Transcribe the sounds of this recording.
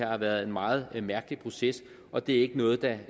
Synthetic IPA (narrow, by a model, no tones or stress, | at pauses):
ɑ̈ɑ̈ʋæːɐð̞̩ˠe̝nmɑ̈ːð̞̩ˠmæɐɡ̥əlipʰʁo̝ses | ʔɒ̽d̥e̝æɐe̝ɡ̥ənɔ̽ːð̩ˠd̥ɑ